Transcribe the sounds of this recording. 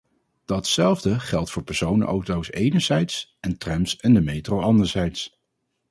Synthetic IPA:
d̥ɑtsɛlˠvdəχɛlˠtfʊːɹpɛɹsownə̰ʔo̰wtowsejnəɹz̥ɛjtsɛntrɛmsɛndəmejtrowɑndəɹzɛjts

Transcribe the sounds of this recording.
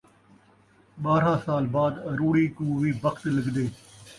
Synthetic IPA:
ɓaːɾãːsaːlbaːd̪ɾuːɽiːkũːʋiːbəkʰt̪ləɡd̪eː

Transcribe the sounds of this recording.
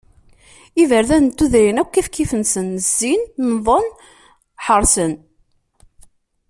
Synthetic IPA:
ivəɾðænt̪ːuðɾinækʷːifkːifənsənəzːinməðˤon | ħəɾˤsən

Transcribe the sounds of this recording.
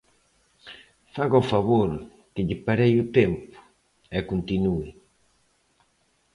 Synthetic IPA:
faɣɔfaβoɾ | kɪʎipaɾejut̪ɛmpu̥ | ɛkunt̪inui

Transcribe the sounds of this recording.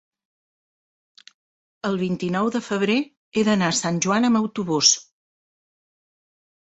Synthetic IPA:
əlˠβ̞int̪inɔwðəfəβɾe | eðənasanʲʒuanəməwt̪uβus

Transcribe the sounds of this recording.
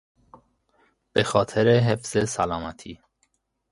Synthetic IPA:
b̥exɒːt̪ʰeɾeɦefz̥esælɒːmæt̪ʰiː

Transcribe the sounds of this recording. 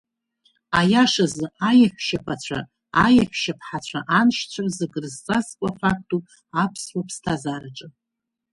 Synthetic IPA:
ajaʂazɨajaħʷʰʃapʷʰat͡ɕʷʰa̰ | ajaħʷʃapʰħat͡ɕʷʰaʔanʃt͡ɕʷʰarzɨɡrzt͡sʼazkʷʼafak̚tʼu | apʰswapʰstʰazaɾaʈ͡ʂʼɨ

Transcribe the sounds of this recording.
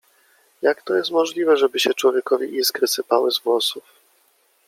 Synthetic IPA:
jakt̪ɔjɛst̪mɔʐlʲivɛʐɛbɘɕɛt͡ʂwɔvʲjɛkɔvʲiʔiskɾɘsɘpawɘzɡwɔsuf

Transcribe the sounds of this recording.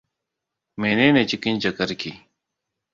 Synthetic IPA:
meːneːnet͡ɕikint͡ɕɐkɐɾki

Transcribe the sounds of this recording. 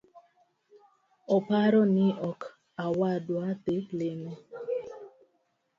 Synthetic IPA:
ɔpaɾɔnɪʔɔk | awadwat̪eplene

